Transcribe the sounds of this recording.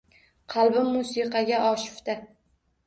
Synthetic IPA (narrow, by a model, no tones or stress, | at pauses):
qʰɑlˠbɪmːusɨqʰɑɡʲaʔɒʃɪ̥ft̪a